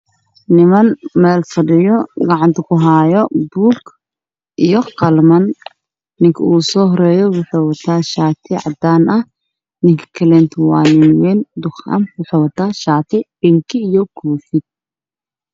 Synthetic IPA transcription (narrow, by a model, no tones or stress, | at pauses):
nɪmɐnmɛːlfɐɖɪjɔɡɑʕɑnt̪ʰɐkʰʊɦaːjɔbuːk | ʔijɔqɐlmɐnː | ɪŋkʰɐuːsɔːɦɔɾɛːjɔwʊħewɐt̪ʰaːʃaːt̪ʰɪʕɑ̰d̪aːnɐh | nɪŋkʰɐ̥kʰɐlɛːnt̪ʰwɑːnɪnwɛːnd̪ʊχɐ̰mwʊħeːwɐt̪ʰaːʃaːt̪ʰɪbɪŋkʰɪːjɔkʰuːfɪd̪̚